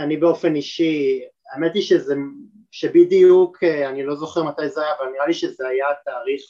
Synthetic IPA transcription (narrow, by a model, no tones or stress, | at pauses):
anibeo̞fe̞niʃi | amatliʃeze | ʃebid̪ijukʰeanilo̞zo̞χeʁmat̪ajzajaːvalniʁaliʃezeajat̪aːʁiχ